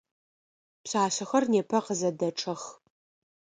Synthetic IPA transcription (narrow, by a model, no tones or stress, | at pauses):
pɕaːɕɐxɐrneːpʰɐqəzɐdɐʈ͡ʂʼʰɐx